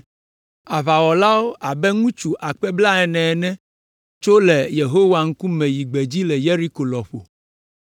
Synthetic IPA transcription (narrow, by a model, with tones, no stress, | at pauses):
a˨βa˨wɔ˨la˦wo˦ʔa˨bɛ˦ŋũ˦t͡ʃu˨ʔa˨k͡pɛ˦bla˦ɛ˨nɛ̃˨nɛ̃˦ | t͡ʃo˦lɛ˨je˨ɦo˦wa˨ŋ̩˦ku˦mɛ̃˨ji˨ɡ͡bɛ˨d͡ʑi˦lɛ˨je˦ɾi˦ko˨lɔ˨ɸo̰˨